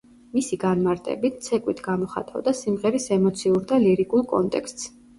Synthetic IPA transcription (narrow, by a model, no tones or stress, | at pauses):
misiɡanmaɾt̪ʼɛ̰bit̪̚ʰt̪sʰɛkʼwit̪ʰɡamɔχa̰t̪ʼa̰vd̪asimʁɛɾisɛmɔt̪sʰiuɾd̪aliɾikʼulˠkʼɔ̰nt̪ʼɛkst̪ʼs